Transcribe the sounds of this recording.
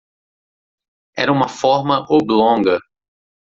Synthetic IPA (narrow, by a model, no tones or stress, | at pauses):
ɛ̰ɾɐũmɐfɔɾmɐʔoblõŋɡɐ